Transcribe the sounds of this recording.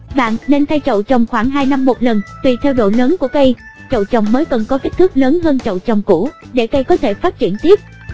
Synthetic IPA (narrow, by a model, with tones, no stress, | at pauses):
ɓa̰ː˧˨nne˧nt̪ʰa˧jt͡ɕə̰˧˨wt͡ɕə˨˩wŋ͡mxwaː˧˩ŋɦaː˧jna˧mːo˨˩t̚lə˨˩nvi˨˩t̪ʰɛ˧wɗo̰˧˩jləː˨˦nku˧˩əkə˧j | t͡ɕə̰˧˨wt͡ɕə˨˩wŋ͡mməː˨˦jkə˨˩nkɔ˨˦ki˦˥t̪ʰɨ˦˥k̚ləː˨˦nɦəː˧nt͡ɕə̰˧˨wt͡ɕə˨˩wŋ͡mku˧˩ɗe˧˩kə˧jkɔ˨˦t̪ʰe˧˩faː˦˥t̚t͡ɕi˧˩ənt̪i˦˥əp̚